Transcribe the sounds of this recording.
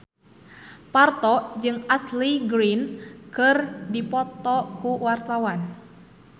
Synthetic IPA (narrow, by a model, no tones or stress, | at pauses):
part̪ɔd͡ʒɨŋasliɡɾinkɨrdipɔt̪ɔkuwart̪awan